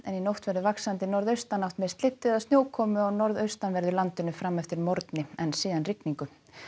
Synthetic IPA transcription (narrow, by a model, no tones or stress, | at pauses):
ɛninowht̪vɛɾðʏvaksant̪ɪnɔɾðœɥst̪anawht̪mest̪lɪt̪ːɪðaðst̪joːwkʰɔːmʏɔɣnɔɾðœɥst̪anvɛɾðʏlant̪ʏnʏfɾamːɛft̪ɪɾmɔɾt̪nɪɛnsiːðanrɪkniŋkʏ